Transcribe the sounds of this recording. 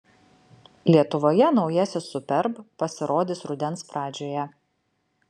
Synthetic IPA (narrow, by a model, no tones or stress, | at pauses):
lʲiɛt̪ʊʋoːjɛnɒʊjɛsʲɪsʊpʲɛɾppɐsʲɪɾoːd̪ʲɪsɾʊd̪ʲɛnspɾɑːd͡ʒʲoːjɛ